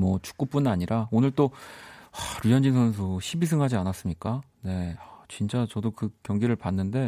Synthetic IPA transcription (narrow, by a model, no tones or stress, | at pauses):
mwʌt͡ɕu̥k͈up͈unaɲiɾaonɯɭt͈oaɾɥijʌnd͡ʑins̬ʰʌnns̬ʰoɕʰibis̬ʰɯŋɦad͡ʑianas͈ɯmɲik͈a | ne̞at͡ɕint͡ɕ͈at͡ɕʌdokɯkjʌŋɡiɾɯɭpanːɯnde̞